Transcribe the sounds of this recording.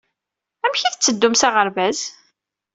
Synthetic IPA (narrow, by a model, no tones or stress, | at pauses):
æmçiθət͡sːəd̪ːʊmsaʁəɾvæz